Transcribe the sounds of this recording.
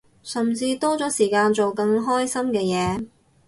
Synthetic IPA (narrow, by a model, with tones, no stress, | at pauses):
sɐ˨˩mt͡siː˧t̪ɔː˥t͡sɔː˨˥siː˨˩kaː˧nt͡so˨wkɐ˧ŋɦɔː˥jsɐ˥mkɛː˧jɛː˨˧